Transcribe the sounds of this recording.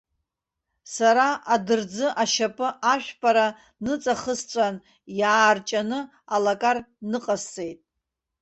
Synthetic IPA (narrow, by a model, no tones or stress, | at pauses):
saɾaʔadɨrd͡zɨʔaʃapʼɨʔaʃᶣpʰʼaɾa | nɨt͡sʼaχəst͡ʃʷʼan | jaːrt͡ʃʼanɨ | alakʼarnɨqʼast͡sʼe̞jtʼ